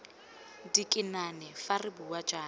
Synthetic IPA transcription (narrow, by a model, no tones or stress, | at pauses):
dikʼɪnanɛfarɪbuwad͡ʒaːn